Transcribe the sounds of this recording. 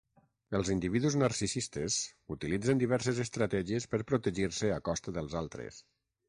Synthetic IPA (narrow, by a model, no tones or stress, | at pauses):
əlˠzind̪iβiðuznaɾsisist̪əzut̪ilid͡zənd̪iβɛɾsəzəst̪ɾat̪ɛʒiəspəɾpɾut̪əʒiɾsəakɔst̪əðəlˠzalˠt̪ɾə̰s